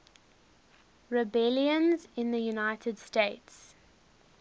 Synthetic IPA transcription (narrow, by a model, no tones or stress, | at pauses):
ɹɪbɛljə̃nzɪ̃nðəjunaɪtʰəd̥stets